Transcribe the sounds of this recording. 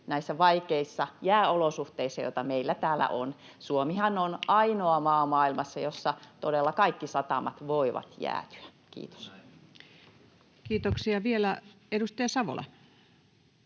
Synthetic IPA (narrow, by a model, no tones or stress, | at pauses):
næisːæʋɑikeisːɑjæːolosuht̪eisːɑjo̰ĭt̪ɑmeilːæt̪æːlːˑæ̰ʔonsuomihɑnonɑinoɑmɑːmɑːilmɑsːɑjosːɑt̪odelːɑkɑikːisɑt̪ɑ̰mɑ̰t̪ʋoiʋɑ̰t̪jæ̰ːt̪y̥æ̥ | kḭːt̪o̥s | kiːt̪oksiɑʋielæ | edust̪ɑjɑsɑʋo̰lɑ̰